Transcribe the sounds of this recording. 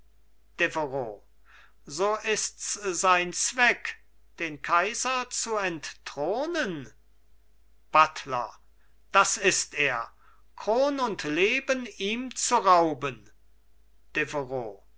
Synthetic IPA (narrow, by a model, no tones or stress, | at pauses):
d̥evəʁoː | zoːʔɪstszaɪnt͡sv̥ɛk | d̥eːnkʰaɪzɐt͡suɛnttʁ̥oːnən | b̥atʰlɐ̰ | d̥asɪsteːɐ | kʁ̥oːnʊntleːbəniːmt͡suʁaʊbən | d̥evəʁo